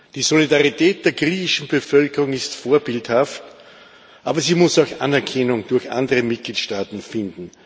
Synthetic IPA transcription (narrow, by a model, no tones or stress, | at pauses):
d̥iːzolidaʁitʰɛːt̚d̥eːɐɡʁiːçɪʃn̩bəfœlkəʁʊŋɪstfoːɐbɪlthaft | ʔaːbɐziːmʊsaʊxʔa̰nɛɐkʰɛnʊŋd̥ʊɐçʔã̰ndəʁəmɪt̚ɡ̥liːtʃtaːtn̩fɪndn̩